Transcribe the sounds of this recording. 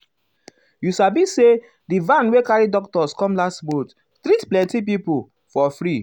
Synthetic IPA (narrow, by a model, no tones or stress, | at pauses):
jusabise | divãnwekaɹidɔk̚tɔskɔ̃mlastbot | tɾitplɛ̃ntip̬ipu | fɔfɾi